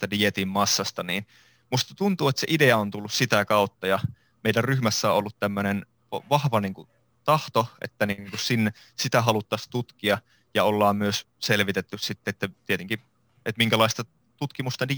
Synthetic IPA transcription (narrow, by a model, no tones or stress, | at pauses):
t̪ædiet̪immɑsːɑst̪ɑniːn | must̪ɑt̪unt̪uːet̪seʔideɑont̪ulːussit̪ækɑut̪ːɑjɑ | meidærryhmæsːæo̰ʔolːut̪t̪æmːønen | ʋɑhʋɑniːŋku | t̪ɑht̪oḛt̪ːæniŋkussinːe | sit̪æɦɑlut̪ːɑst̪ut̪kiɑ | jɑolːɑːmmyøs | selʋit̪et̪ːyssit̪ːeet̪ːet̪iet̪eŋki | et̪miŋkælɑist̪ɑ | t̪ut̪kimust̪ɑdi